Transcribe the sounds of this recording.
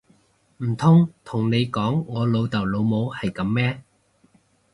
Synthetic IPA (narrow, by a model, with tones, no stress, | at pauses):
m̩˨˩t̪ʰʊ˥ŋt̪ʰʊ˨˩ŋne˨˧jkɔː˨˥ŋːɔː˨˧lo˨˧wt̪ɐ˨˩wlo˨˧wmo˨˧whɐ˨jkɐ˨˧˥mːɛː˥